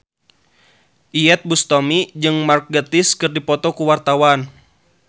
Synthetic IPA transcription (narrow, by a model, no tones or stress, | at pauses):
ʔiɛt̪̚bust̪ɔmid͡ʒɨŋmark̚ɡət̪iskɨrdipɔt̪ɔkuwart̪awan